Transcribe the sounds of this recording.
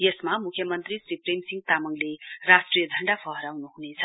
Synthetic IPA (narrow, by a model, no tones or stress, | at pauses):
jesmamukʰːjʌmʌnt̪risriprejmsiŋɡ̚t̪amʌŋlerasʈrijʌd̪ʱʌɳɖapʰʌɦʌɾawnuɦunet͡sʰʌ̥